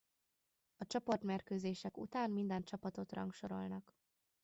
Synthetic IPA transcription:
ɒt͡ʃɒpo̞rt̪merkøːzeːʃɛkṵt̪aːnmind̪ɛnt͡ʃɒpɒt̪o̞t̪rɒ̰ŋkʃo̞ɾo̞̰lnɒk

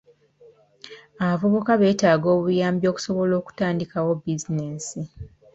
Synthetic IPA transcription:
aβavo̞βo̞kaβe̞ːtaːɡo̞ːβujaːmbjo̞ːku̥so̞βo̞lo̞ːku̥taːndikawo̞bizineːsi

